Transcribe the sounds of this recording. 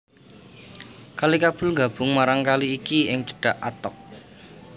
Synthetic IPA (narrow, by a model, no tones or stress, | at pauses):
kalikab̥ʊ̤lŋɡa̤b̥ʊ̤ŋmaɾaŋkaliːkiɪŋd͡ʒə̥ɖ̥aʔat̪ɔk̚